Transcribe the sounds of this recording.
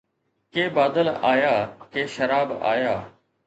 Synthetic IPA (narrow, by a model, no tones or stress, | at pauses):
keːbaːd̪əlaːjaːkeːʃɐɾaːba̰ːjaː